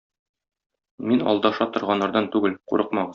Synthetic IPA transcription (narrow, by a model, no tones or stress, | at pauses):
minɒ̰lˠd̪ɑʃɑt̪ŏɾʁɑnːɑɾd̪ɑnt̪ʉɡɘlqṵɾɤqmɑʁɤz